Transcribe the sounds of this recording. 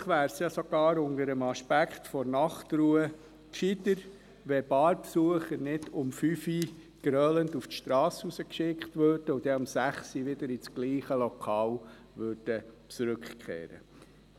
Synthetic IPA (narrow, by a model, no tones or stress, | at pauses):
χʋæːɾsjɑsoɡ̥ɑːɾʊndəɾəmɑʃpækχtfɔɾnɑχtɾuːə | kʃid̪əɾ | ʋɛbɑːɾpsuəχəɾnɪdʊmfyfi | ɡ̥ɾœlənduftʃtɾɑːsusəkʃɪktʋøɾd̥əʊd̥̪ɛɑmsæχsiʋɪd̪əɾit͡sɡ̥liːχəlɔkʰɑːl | ʋøɾd̥ə | t͡sɾʏkkχḛːɾə̰